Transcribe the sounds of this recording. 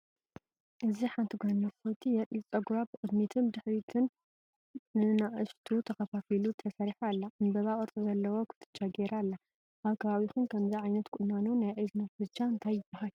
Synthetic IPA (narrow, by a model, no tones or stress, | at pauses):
ʔɨziħant̪ʰiɡonɐɾkojt̪ʰijɛɾit͡sʼɐɡɾabɨkʼɨd̪mit̪ʰɨnbɨd̪ɨħɾit̪ʰɨn | ɨnaʔɨʃt̪ʰut̪ʰɐkɐfafilut̪ʰɐsɐɾiħalːanbɐβaʔʼɨɾt͡sʼɨzɐlːɐwokʰɨ̥t̪ʰɨ̥t͡ʃʼːaɡeɾalːa | ʔaβkʰɐβaβixunkʰɐmziʕajnɐt̪kʰʼʊnːanunajʔɐznafɨzt͡ʃʼːaɨnt̪ʰajːɨbaɦal